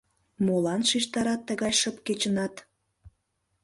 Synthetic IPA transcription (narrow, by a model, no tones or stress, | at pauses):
molɑnʃiʃt̪ɑɾɑt̪ːəɣɑjʃəpket͡ɕə̆nɑt̪